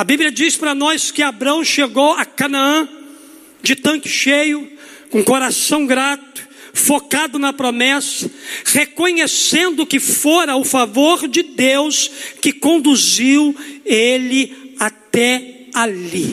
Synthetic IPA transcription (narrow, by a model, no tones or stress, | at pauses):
ɐbibliɐd͡ʒispɾɐnɔskɪabɾɐ̃w̃ʃeɡowɐkɐnaɐ̃ | d͡ʒɪt̪ɐ̃kɪ̥ʃejʊ | kõkoɾasɐ̃w̃ɡɾat̪ʊ̥ | fokad̪ʊnɐpɾomɛsɐ̥hekoɲesẽnd̪ʊkɪfoɾɐʊfavoɾd͡ʒɪd̪ewskɪkõnd̪uziwelɪat̪ɛ | ali